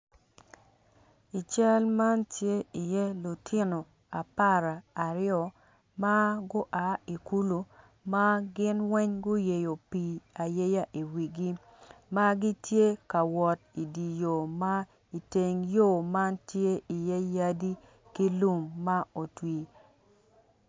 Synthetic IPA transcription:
i˨t͡ʃɛ˦lma˦ntje˦i˨jɛ˦lu˨tʰɪ˦no˨ | a˨pa˦ɾa˨a˨ɾɪ˦ɔ˨ | ma˦ɡʊ˦ʔa˨˦i˨ku˦lu˨ | ma˦ɡɪ˦nwɛ˦ɲɡʊ˦je˨jo˨pi˨a˨je˦ja˦ʔi˨wi˨ɡi˦ | ma˦ɡi˦tje˦ka˨wɔ˨t̚i˨di˨jo˨ma˦ | i˨te˨ŋjo˦˨ma˦ntje˦i˨jɛ˦ja˦di˦ | ki˦lu˦mːa˦o˨twi˨

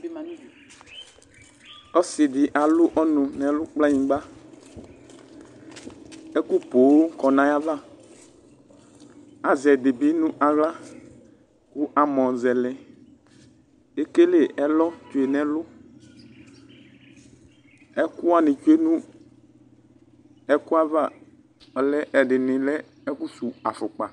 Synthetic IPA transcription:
ɔ˦sɪ˨ɖɪ˨ʔa˨lʊ˦ʔɔ˦nʊ̃˨nɛ̃˨lʊ˦k͡pla˦ɲĩ˨ɡ͡ba˦ | ɛ˦ku˦po˨˦kɔ˨nã˨˦ja˦va˦˨ | a˨zɛ˨de˨bi˦nũ˦ʔa˨ɣla˦ | ku˦ʔa˨mɔ̃˨zɛ˨lɛ˦ | e˦ke˦le˦˨ɛ˦lɔ˦t͡ʃu˨e˨nɛ̃˨lʊ˦ | ɛ˦ku˦a˨nɪ̃˨t͡ʃe˦nũ˦ | ɛ˦ku˦a˦va˦˨ | ɔ˨lɛ˦ʔɛ˨ɖɪ˨nɪ̃˨lɛ˦ | ɛ˦ku˦su˨a˨fʊ˨k͡pa˨

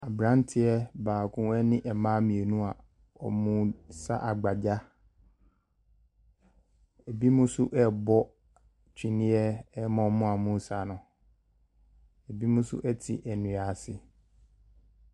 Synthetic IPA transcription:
a˨bɾã˦ntʰɪ˦ɛ˦baː˨kʰũ˦ɛ˦nɪ̃˦ʔɛ˨mãː˦mĩ˨e˨nũ˦a˨ | ɔ̰˨mũ˦sa̰˦ʔa˨ɡ͡ba˨d͡ʑa˦ | ɛ˨bi˦mʊ̃˦sʊ˦ʔɛ˦bɔ˦ | t͡ɕᶣĩ˨nĩ˦ɛ˦mɔ̃˨˦mʊ̃˦a˨mũ˦sa˨nʊ̃˨ | ɛ˨bi˦mũ˦sʊ̰˦ʔɛ˦tʰɪ̰˨ʔæ˨nũ˨a˨sɪ˦

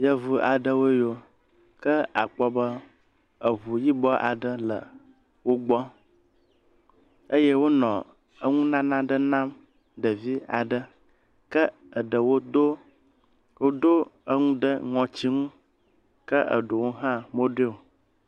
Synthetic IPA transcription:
jə˦vu˦a˨ɖə˦wo˦jo˦ | kə˦a̰˨k͡pɔ˦bə˦ | ə˨βu˨ji˦bɔ˦ʔa˨ɖə˦lə̰˨ | wo˦ɡ͡bɔ˦ | ə˦je˦wo˦nɔ̃˨ | ə˦ŋũ˦nã˦nã˦ɖə˦nã˦m | ɖə˨vi˦a̰˨ɖə˦ | kə˦ | ə˨ɖə˨wo˦do˦ | wo˦d̪o˦ə˦ŋũ˦ɖə˦ŋɔ̃˨t͡ɕi˦ŋũ˦ | kə˦ʔə̰˨ɖo˨wo˦ɦã˦mo˦ɖe˦o˨

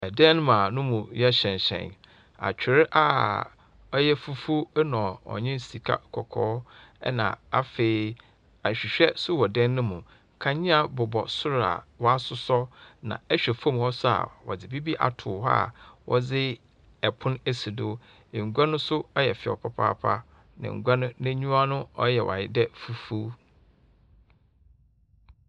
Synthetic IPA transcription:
ɛ˨dɛ̃˦ñ˦mã˨nʊ̃˦mũ˨jɛ˦ɕɛ̃˨ɲ˨ɕɛ̰̃˨n | a̰˨t͡ɕᶣɪ˨ɾɪ˦ʔa˨ | ɔ˦jɛ˦fu˦fu˦nɔ̃˨ɔ̰˨ɲɪ̃˦n˨si˨kʰa̰˦kʰɔ˨kʰɔ̰ː˦ɛ̰˦nã̰˨a˦feː˨ | ã˨ɕᶣi˨ɕᶣɛ˦sʊ˦wɔ˨dɛ̃˦nːʊ̃˦mũ˨ | kʰã˨ɲɪ̃˦a˨bʊ˨bɔ̰˨sʊ˦ɾa̰˨wɔ˦a˦sʊ˦sɔ˦nã̰˨ɛ˦ɕᶣɛ˨fõ˦˨mhɔ˦sʊ˦a̰˨wɔ˨d͡zɪ˨bi˦bi˦ʔa̰˨tʰʊː˨ha̰˦˨wʔɔ̰˦d͡zɪ˦ | ɛ˨pʰʊ̃˦ne˦si˨dʊ˦ | ẽ˨ŋ̩˨ɡʷa˦nʊ̃˦sʊ˦ɔ˦jɛ˨fɪ˨ɔ̰˨pʰa˨pʰa̰ː˦˨pʰa̰˦ | nã̰˨ŋ̩˨ɡʷa˦nʊ̃˦nẽ˦ɲũ˦a˦nʊ̃˦ɔ˦jɛ̰˨wʔa̰˨ɪ˦dɛ˦fu˦fu˦

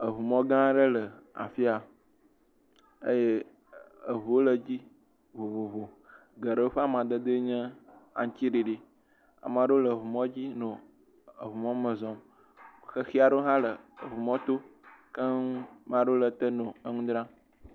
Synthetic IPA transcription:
ə˨βu˨mɔ̃˦ɡã˦ɖə˦lə˨a̰˨fi˦a˨ | ḛ˦je˦ | ə˨βu˨o˦lə˨d͡ʑi˦ | vo˨βo˨βo˨ | ɡə˨ɖə˦wo˦ɸa˦mã˨d̪ə˦d̪ə˦ɲɛ̃˦a̰˨ɲ˨t͡ɕi˦ɖi˨ɖi˨ | a̰˨m˨ã˨ɖo˦lə˨βu˨mɔ̃˦d͡ʑi˦nõ˨ | ə̰˨βu˨mɔ̃˦mə˨zɔ̃˨m | xə˦xi˦a˨ɖo˦ɦã˦lə˨βu˨mɔ̃˦t̪o˦kə˦mã˨ɖo˦lə˨t̪ə˦nõ˨ə˦ŋũ˦d̪ɾã˦

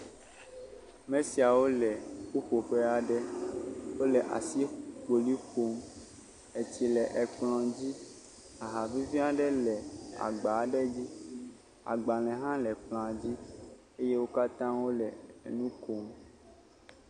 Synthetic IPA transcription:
mɛ̃˦si˨a˨wo˦lɛ˨ku˦ɸo˨ɸɛ˦a˨ɖɛ˦wo˦lɛ˨ʔa̰˨si˦k͡po˨li˦xo˦m | e˨t͡ɕi˨lɛ˨ʔɛ˨k͡plɔ̃˨d͡ʑi˦ | a˨ɦa˨vi˦vi˦a˦ɖɛ˦lɛ˨a̰˨ɡ͡ba˨˦ɖɛ˦d͡ʑi˦ | a̰˨ɡ͡ba˨l̃ɛ̃˨ɦã˦lɛ˨k͡pl̃a˨d͡ʑi˦ | e˦je˦wo˦ka˦t̪ã˦wo˦lɛ˨nũ˦ko˦m

